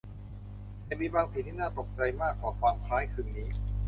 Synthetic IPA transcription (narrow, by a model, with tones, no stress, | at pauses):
ja˧˩miː˧baː˧ŋsʰiː˨˩t̪ʰiː˥˩naː˥˩t̪o˨˩k̚t͡ɕa˧jmaː˥˩kʰːaː˨˩˦kʰwaː˧mkʰɾaː˦˥jkʰɯː˧˩nniː˦˥